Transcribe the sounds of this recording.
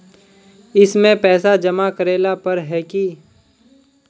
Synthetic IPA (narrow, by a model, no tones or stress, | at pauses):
ɪsmẽpɛːsad͡ʒɐmakəɾeːlapɐɾɦɛːki